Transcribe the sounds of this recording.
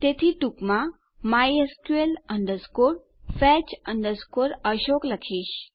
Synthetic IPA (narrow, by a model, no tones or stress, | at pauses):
t̪et̪ʰiʈukmã | majeskueləɳɖ̪əɾskoɾ | fɛt͡ʃəɳɖ̪əɾskoɾəɕokləkʰiːɕ